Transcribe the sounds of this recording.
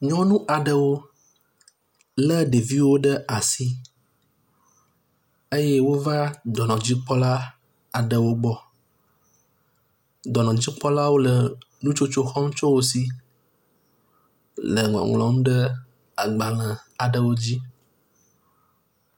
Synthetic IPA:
ɲɔ̃˦nũ˦ʔa˨ɖə˨wo˦ | lə˦ɖe˨vi˦wo˦ɖə˦a˨si˦ | e˦jɛ˦wo˦va˦d̪ɔ˨nɔ̃˨d͡ʑi˦k͡pɔ˦la˦ | a˨ɖə˨wo˦ɡ͡bɔ˦ | d̪ɔ˨nɔ̃˨d͡ʑi˦k͡pɔ˦la˦wo˦lə˨ | nũ˦t͡ʃo˦t͡ʃo˦xɔ˦m˦t͡ʃɔ˦wo˦si˦ | lə̰˨ŋɔ̰̃˨ŋlɔ̰̃˨˦m˦ɖə˦ | a˨ɡ͡ba˨lə̃˨a˨ɖə˨wo˦d͡ʑi˦

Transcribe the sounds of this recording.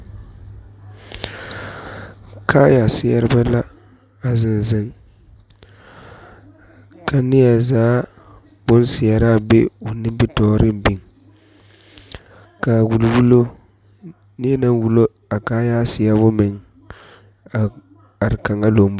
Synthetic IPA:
kʰaː˦ja˨sɪ˨˦ja˦ɾɪ˦ba˦la˦ | a˨zɪ˦nzɪ˦ŋ˦ | ka˦nɪ˦ja˨zaː˨˦ | b̥ʊ˦nsɪ˨ja˨ɾa˦˨be˦o˨nɪ˦mbɪ˦tɔː˦ɾɪ˦m˦bi˨ŋ | ka˨wu˨lu˨wu˦lo˦ | nɪ˦e˦na˦ŋ˦wu˨lo˦ | a˨kaː˦ja˦sɪ˨ja˦bʊ˦mɪ˨ŋ˨ | a˨ɾɪ˨ka˨ŋa˦lo˨m˦b

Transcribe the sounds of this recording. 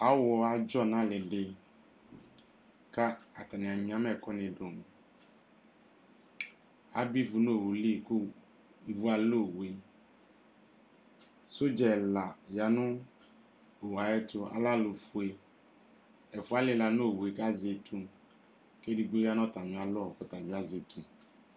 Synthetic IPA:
a˨˦wɔ˧a˧d͡ʒɔ˦˨na˨lɪ˨dɪ˧ | ka˦a˨ta˨ni˨a˨ɲi˨˦a˦mɛ˦˨kɔ˦nɪ˨do˨m˨ | a˦bi˦vu˧no˦˨wu˨li˦˨ku˦ | i˨vu˦a˨lo˦˨we˨ | sʊ˦d͡ʒɛ˨la˨ja˨nʊ˦ | o˨wa˨jɛ˦tʊ˧a̰˦la˦˨lu˨fu˨e˨ | ɛ˨fu˨˦a˦lɪ˦la˨no˦˨we˨ka˦ze˨tʰu˦ | ke˦di˨ɡ͡bo˦ja˦n˦ɔ˦˨ta˨ɲi˨a˨lʊ˦ɔ˨kʊ˦ta˨ɲi˦a˦ze˨tʰu˨

